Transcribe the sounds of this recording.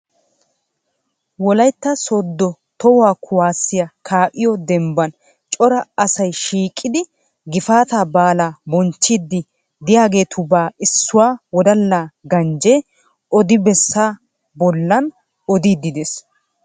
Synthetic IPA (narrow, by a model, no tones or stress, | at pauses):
wɔlɐjt̪ːɐsɔd̪ːɔ | t̪ɔwʊwaːkʰʊwaːsːɪjɐkʰaːʔɪjɔd̪ɛmbɐn | t͡ʃʼɔɾɐɐsɐjʃiːkʼːɪd̪ɪ | ɡɪfaːt̪aːbaːlaːbɔnt͡ʃːid̪ːɪ | d̪ɪjaːɡe̞ːt̪ʊbaːɪsːʊwaːwɔd̪ɐlːaːɡɐnd͡ʒe | ɔd̪ɪbɛsːaː | bɔlːɐn | ɔd̪iːd̪ːɪd̪es